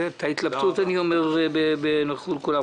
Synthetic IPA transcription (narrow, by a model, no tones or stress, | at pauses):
t̪ʰait̪labt̪ut̪aniomeʁbebenaχulkula